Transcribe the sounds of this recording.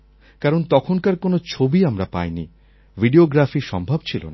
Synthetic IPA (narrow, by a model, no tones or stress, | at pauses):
kaɾont̪ɔkʰonkaɾkonot͡ɕʰobiamɾapa̰jnḭ | vʱiɖioɡɾafiʃɔmbʱabt͡ɕʰilo̰na